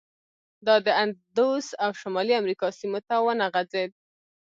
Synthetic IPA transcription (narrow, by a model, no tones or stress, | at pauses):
d̪ɑd̪əand̪osawʃʊmɑliamɾikɑsimot̪awənaɣad͡zed̪̚